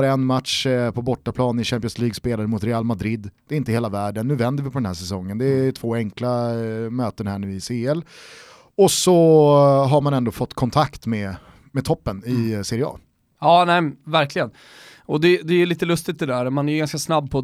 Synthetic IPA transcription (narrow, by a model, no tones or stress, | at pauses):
ɾɛnːmat̪ʂpʰɔbɔʈːapʰlɑːnɪɕæmp̬ɪɔnsliːɡspeːlaɾəmʊt̪ɾɛaːlmad̪ɾɪd̪ːd̪̥ɛɪnt̪əheːlavæːɖənːʉ̟ːvɛnd̪əɾvɪpʰɔɾɛnɦæːʂsɛsɔŋːənd̪ɛt̪ʰv̥oːɛŋklamøːt̪ənhæːɳʉ̟ːɪseːɛl | ɔsɔ | ɦaɾmanɛnd̪oːfɔt̪ːkʰɔnt̪ʰakt̪mɛ | mɛt̪ʰɔpːənɪseːɾɪɑ̰ː | ɑːnɛvæɾklɪɡən | ɔd̪ɛd̪ɛæliːt̪əlɵst̪ɪt̪̚d̪ɛd̪æɾɔmanæjɡanskasnabːpʰɔ